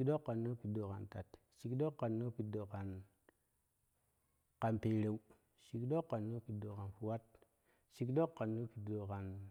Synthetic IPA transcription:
kdo˦kːa˨nːo˦pi˨do˨ka˨nta˨t | ʃi˨kɗo˦kːa˨nːo˦pi˨do˨ka˨n | ka˨npe˨ɾe˨u˦ | ʃi˨kdo˦kːa˨nːo˦pi˨do˨ka˨nfu˨wa˦t̚ | ʃi˨kdo˦kːa˨nːo˦pi˨do˨ka˨n

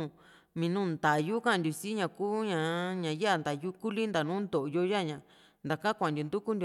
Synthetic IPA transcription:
mĩ˧nũː˦˨nd̪a˨ju˦kã˦˨ndʲu˨si˦ɲã˧˨kuː˦ɲã˨ɲã˨ja˦˨nd̪a˨ju˦ku˦li˦nd̪a˨nũː˦nd̪o˨ʔjo˧ja˦˨ɲã˨ | nd̪a˨kã˦kʷã˨ndʲo˨nd̪u˦ku˦ndʲ

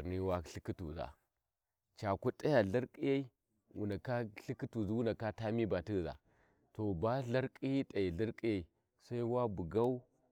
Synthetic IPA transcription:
ɾni˦wa˦ɬi˦ki˦tṵ˨za̰˨ | t͡ʃa˨ku˦tʼa˦ja˨ɮa˦ɾkʼi˦ja˦i˦ | wṵ˨nda˨ka˦ɬi˦ki˦tu˨zi˦wu˦na˨ka˦ta˦mi˦ba˨ti˦˨za̰˨ | to˨ba˦ɮa˦ɾkʼi˦ji˦tʼa˨ji˨ɮa˦ɾkʼi˦ja˦i˨ | sa˦i˦wa˦bu˨ɡa˦u˦

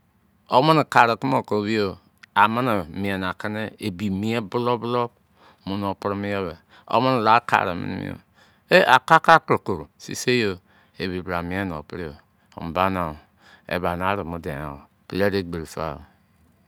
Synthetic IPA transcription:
o˦mo˦n˨ka˨ɾa˨ku˦mo˨ko˨wi˦jo˨ | a˨ma˦na˨mi˨e˨n˨a˨ki˦ne˦e˨bi˨mi˦e˦bu˦lo˦blo˦b | mu˦no˨pɾmi˦jo˦βe˨ | o̰˦mo˦n˨la˦ka̰˨ɾa˨mḭ˦n̰˦mḭ˦o̰˨ | e˦ʔa̰˨ka˦ka˦kɾo˨ko˨ɾsḭ˦se˦jo˨ | e˨βi˨bɾa˨mi˨˦e˦n˨o̰˨pi˦ɾi˦jo̰˨ | m˨ba˦na˨ | ḛ˨ba˨n˨a˨˦ɾi˨mu˦de˨na̰˨ | ple˦ɾe˦ɡ͡be˨ɾfa̰˦˨

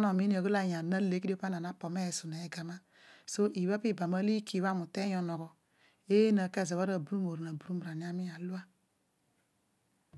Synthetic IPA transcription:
no˨mi˦n˦o˨ɡo˦la˨ja˨na˦le˦ki˦i˦pa˦n˨a˨na˦po˨me˦˨su˨ne˨ɡa˨ma˦ | so˦ʔi˨βa˦pi˦˨ba˨ma˦li˦kʰi˨wa˦˨mu˨te˦jo˨nɔ˨ɣɔ˨ | e˦na˨ke˦˨za˨a˦ɾa˨bu˨ɾu˦mo˨ɾna˨bu˨ɾu˦mu˨ɾa˨ni˨˦a˦mi˦ja˨lu˦a˦

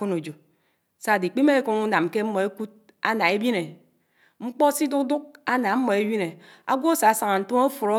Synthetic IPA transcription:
o˦no˨d͡ʒo˨ | sa˦˨di˨k͡pi˦me˦e˦ku˨ŋu˦na˨mke˦m̩˦mːɔ˨e˦ku˦t̚ | a̰˦na˨e˦bji˦ne˨ | ŋ͡m̩˦k͡pɔ˦si˦du˦kdu˦k̚a˦na˨m̩˦mɔ˨e˦wi˦ne˨a̰˦ɡʷo˦sa˨˦sa˨ŋa˨n̩˦tu˦ŋo˦fu˨ɾo˦

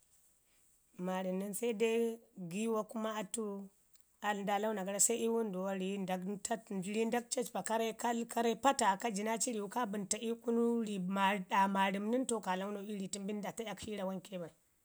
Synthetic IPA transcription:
ma˨ɾi˨mni˦nsa˦i˦da˦ɡi˦wa˦ku˦ma˦a˦tu˦ | a˨lda˦la˦u˦na˨ɡa˦ɾa˦sa˦i˦wu˦ndu˨wa˦ɾi˨˦nda˨ɡta˦˨ɾi˦nda˦k̚t͡ʃa˦t͡ʃba˨ka˦ɾa˦ka˦lka˦ɾa˦pa˦ta˨ka˦d͡ʒi˨na˦t͡ʃi˦ɾi˨wu˨ka˦bu˨nta˨i˦ku˦nu˦ɾi˨ma˨ɗa˨ma˨ɾi˨mni˦nto˦ka˨la˦u˦no˨i˦ɾi˨ti˦mbi˦n˦da˨ta˦ja˨kʃi˦ɾa˨wa˦nke˦ba˨i˨

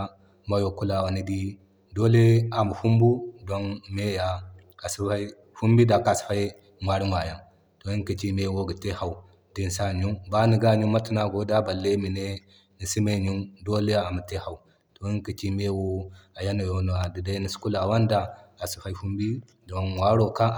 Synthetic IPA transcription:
ma˦jo˨ku˦la˨wa˨ni˦di˦ | do˦le˦a˨mu˨fu˦mbu˦do˦nme˦ja˨ | a˨si˦fa˦i˦ | fu˦mbi˦da˨ka˨si̥˨fa˦i˦ | mwa˨ɾi˦ma˨ja˦˨n | to˨i˦kə˨t͡ʃi˦me˦wo˦ɡi˨te˦ha˨u˨ | di˦n˨sa˦˨ɲu˦ŋba˦ni˨ɡa˦˨ɲu˦ma˦ti˦na˨ɡo˦da˦ba˨lːe˦mi˨ne˦ | ni˨si˦me˦˨ɲu˦ndo˦le˦ja˦a˨mu˨te˦ha˨wu˨ | to˨i˦ŋ˦ka˨t͡ʃi˦me˦wo˦a˨ja˦na˨jo˦no˨a˨di˨da˦ni˨si̥˦ku˦la˨wa˦nda˦a˨si̥˨fa˦i˦ɸu˦mbi˦ | do˨˦n˨wa˦ɾo˨ka˦

